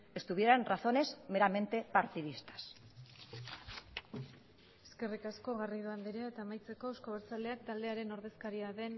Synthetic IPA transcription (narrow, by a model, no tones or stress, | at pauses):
e̞st̪uβieɾenraθo̞ne̞szme̞ɾame̞nt̪e̞paɾt̪iðist̪ḁs | eske̞rikasko̞ɣariðuand̪iɾeaet̪aemajt͡se̞ko̞ewsko̞βeɾt͡sale̞ak̚t̪ald̪e̞aɾe̞no̞ɾðe̞skaɾiaðe̞n